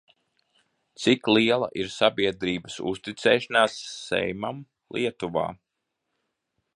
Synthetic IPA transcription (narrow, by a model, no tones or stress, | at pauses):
t̪siklˠiɛlˠa̰ʔiɾsabiɛd̪ɾiːbəsṵst̪it̪sɛːʃanaːsːɛ̰jmam | lˠiɛt̪uva̰ː